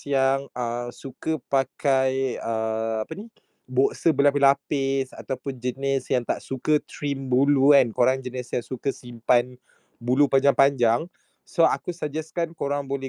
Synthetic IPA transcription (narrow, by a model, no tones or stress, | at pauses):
jaŋəsukəpakʰajəapəni | boʔsəbəlapilapɪsa̰t̪awpʊnd͡ʒənɪsjaŋt̪aʔsukət̪ɾimbuluankoɾaŋd͡ʒənɪsjaŋsukəsimpan | bulupaɲd͡ʒaŋpaɲd͡ʒaŋ | soakusəd͡ʒɛskankoɾaŋbolɛ